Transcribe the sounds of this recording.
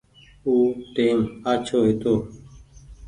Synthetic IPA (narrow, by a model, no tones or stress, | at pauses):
uːʈeːmaːt͡ʃʰoːɦɪt̪oː